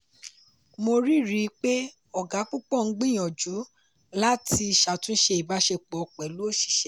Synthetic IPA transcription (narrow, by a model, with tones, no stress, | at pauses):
mo˧ɾi˦˨ɾi˨˦k͡pe˦ | ɔ˨ɡa˨˦k͡pu˦k͡pɔ˦˨ŋ̩˦ɡ͡bĩ˦˨j̃ɔ̃˨d͡ʒu˨˦ | la˦ti˧˨ʃa˨tũ˦ʃe˧i˨ba˧˦ʃe˧k͡pɔ˨˧˨k͡pɛ˨lo˦˨ʃi̥˨ʃɛ˨˦